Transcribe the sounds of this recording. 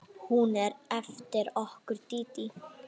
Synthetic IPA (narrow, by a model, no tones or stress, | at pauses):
hunɛɾɛft̪ɪɾɔhkʊɾt̪ːiːt̪i